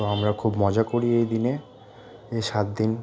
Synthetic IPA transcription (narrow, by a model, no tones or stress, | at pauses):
oamɾakʰubmɔd͡ʑakoɾiejd̪ine | eʃat̪̚d̪in